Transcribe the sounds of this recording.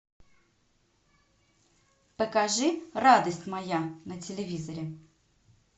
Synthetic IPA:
pəkɐʐɨrad̪əsʲtʲmɐjanətʲɪlʲɪvʲizəɾʲɪ

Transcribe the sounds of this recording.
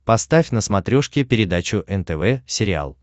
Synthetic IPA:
pɐst̪afʲnəsmɐt̪ɾʲoʂkʲɪpʲɪɾʲɪd̪at͡ɕʊʔɛnt̪ɛvɛsʲɪɾʲɪa̰lˠ

